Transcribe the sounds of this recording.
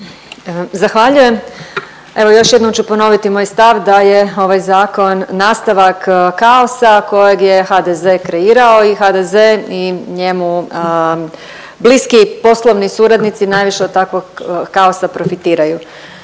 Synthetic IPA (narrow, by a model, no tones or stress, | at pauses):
zaxʋaʎuje̞m | e̞ʋo̞jo̞ʃje̞d̪nomt͡ɕupo̞no̞ʋit̪imoːjst̪aʋd̪aje̞o̞ʋajzaːko̞nːaːst̪aʋakkao̞sako̞je̞ɡje̞xad̪ezekɾe̞iːɾao̞ixad̪ezeiɲe̞mu | bliskipo̞slˠo̞ʋnisuːɾad̪nit̪sinaːjʋiʃeod̪̚t̪akʋoɡːaosapɾo̞fit̪iːɾaju